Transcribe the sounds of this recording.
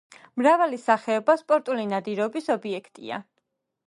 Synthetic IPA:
mɾavalisaχɛɔbaspʼɔɾt̪ʼulinad̪iɾɔbisɔbiɛkʰt̪ʼḭa̰

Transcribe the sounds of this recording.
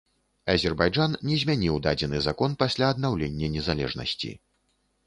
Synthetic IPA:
ɐzʲɛrbajd͡ʐannʲɛzʲmʲanʲiwd̪ad͡zʲɛnɨzakɔnpasʲlʲaɐd̪nawlʲenʲːɐnʲɛzalʲɛ̰ʐnɐ̰sʲt͡sʲḭ

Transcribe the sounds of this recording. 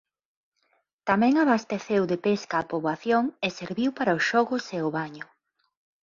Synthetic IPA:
t̪amɛ̃ŋaβast̪eθewðepeskaːpoβaθjoŋeseɾβiwpaɾaʊsʃɔɣʊseʊβaɲʊ

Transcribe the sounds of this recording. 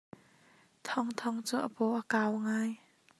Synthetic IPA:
t̪ʰɔŋt̪ʰɔŋt͡suʔəpɔʔəkaːwŋaːj

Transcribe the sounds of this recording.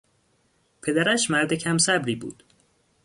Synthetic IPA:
pʰe̞d̪æɾæʃmæɾd̪ecʰæmsæbɾiːbṵːd̪̥

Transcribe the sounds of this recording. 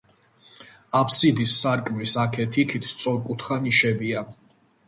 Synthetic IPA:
apʰsid̪isːaɾkʼmisakʰɛt̪ʰikʰit̪ʰst̪sʼɔɾkʼut̪ʰχaniʃɛbia

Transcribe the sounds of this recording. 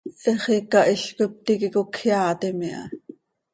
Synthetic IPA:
eχikːɑʔiɬkop̚t̪ikikokʰjɑːt̪ɛmiʔɑ̰

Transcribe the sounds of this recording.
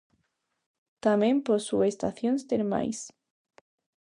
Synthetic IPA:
t̪amemposuest̪a̰θjonst̪eɾma̰js

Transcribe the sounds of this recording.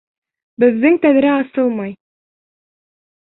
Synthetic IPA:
bɘ̆ðːɘŋt̪æðɾæɑsɤlˠmɑj

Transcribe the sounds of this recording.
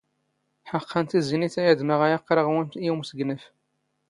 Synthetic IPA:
ħəqːənt̪iziniθæjəd̪məʁæjaqːɾəʁwinuwmsəɡnəf

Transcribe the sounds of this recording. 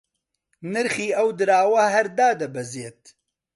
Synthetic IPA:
nɨɾxiːɐwd̪ɨɾaːwɐɦɐɾd̪aːd̪ɐbɐzeːt̪̚

